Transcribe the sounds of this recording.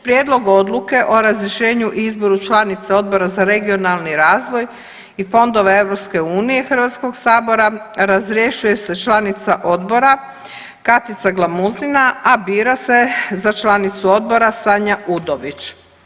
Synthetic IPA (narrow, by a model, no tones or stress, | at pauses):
pɾjeːd̪lo̞ɡo̞d̪lˠuke̞ʔo̞ɾazɾjeʃe̞ːɲuʔizbo̞ɾut͡ʃlanit̪seo̞d̪̚bo̞ɾazaɾe̞ɡio̞nalˠniɾaːzʋo̞j | ifo̞nd̪o̞ʋe̞e̞ʋɾo̞pske̞uːnije̞xr̩ʋat̪sko̞ɡsaːbo̞ɾa | ɾazɾje̞ʃuje̞se̞t͡ʃlanit̪saʔo̞d̪bo̞ɾa | kat̪it̪saɡlˠamuzlinaabiːɾase̞zat͡ʃlanit̪suo̞d̪̚bo̞ɾasaɲaʔud̪oʋit͡ʃ